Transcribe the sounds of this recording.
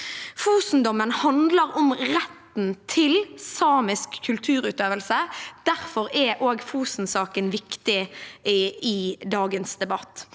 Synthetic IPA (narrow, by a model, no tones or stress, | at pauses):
fuːsn̩d̪ɔmənhɑnd̪ləʁɔmʁɛt̪n̩t̪ʰɪlsɑːmɪskʰːʉlt̪ʰʉːɾʉːt̪øːʋəlsəd̪̥æʁfɔʁɛʔoːɡfuːsn̩sɑːkənʋɪkt̪ɪ | ɪd̪ɑːɡənsd̪ɛbɑt̪ː